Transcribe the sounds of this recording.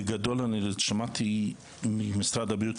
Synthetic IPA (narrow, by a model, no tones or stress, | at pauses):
ɡad̪olanilɛʃamat̪ʰi | mɪmɪsɾad̪abjut̪